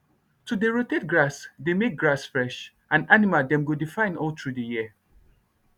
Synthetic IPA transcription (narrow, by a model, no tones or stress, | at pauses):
tudeɹoted̚ɡɹasdemek̚ɡɹasfɹɛʃ | ʔãnanimadɛ̃mɡudifãɪ̃nɔltʰɹudəjiə